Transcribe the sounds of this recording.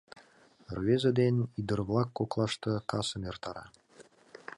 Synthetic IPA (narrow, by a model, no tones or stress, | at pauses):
rvezəd̪enid̪ə̆rβlˠɑkːoklˠɑʃt̪ɤkɑsə̆mert̪ɑɾɑ̰